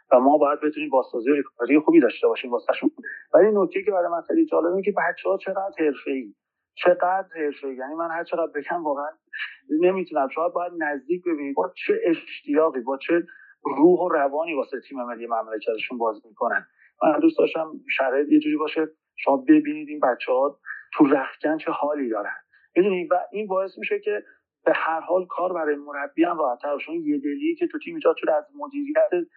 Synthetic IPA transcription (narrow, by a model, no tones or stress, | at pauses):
væmɒːbɒːjæd̪̚be̞t̪ʰuniːmbɒːst̪ɒːzijoɾekʰɔ̥ɒɾijexuːbiːd̪ɒʃt̪e̞bɒːʃiːmvɒːseæʃunud̪vælinoc̚t̪e̞jiːcʰeæɾɒjmænxejlid͡ʒɒːle̞bincʲʰe̞bæt̪t͡ʃʰːehɒːt͡ʃʰe̞ɣæd̪ɾhe̞ɾfe̞iː | t͡ʃʰe̞ɢæd̪ɾhe̞ɾfe̞jiːjænimænhæɾt͡ʃʰe̞ɣæd̪̚be̞cʰæmvɒːɣeæn | ne̞miːt̪ʰunæmʃoæd̪̚bɒːjæd̪næzd̪iːc̚ʰbe̞biːnibɒːt͡ʃʰe̞ʔeʃʃt̪ijɒːɣiːbɒːt͡ʃʰe̞ | ruːɦo̞ɾævɒːniːvɒːseet̪ʰiːmemelːijmæmlecʰæt̪eʃunbɒːzmiːkʰonænd̪ | mæ̰nd̪ustd̪ɒʃt̪æmʃæɾɒːjet̪je̞d͡ʒuːɾibɒːʃe | ʃomɒbe̞biːniːd̪iːnbæt͡ʃʰːehɒːt̪ʰuræxcʰænt͡ʃʰe̞hɒːlid̪ɒːɾæ̰nd̪̥ | mid̪uːnid̪væʔiːnbɒːe̞smiːʃecʰe | b̥e̞hæɾhɒːlkʰɒːɾbæɾɒːjemo̞ɾæbːijæmrɒːhæt̪ʰːæɾboʃnje̞d̪e̞liːcʰet̪ʰut̪ʰiːmiːd͡ʒɒːd̪̚t͡ʃʰod̪æzmod̪iːɾijæt̪ʰe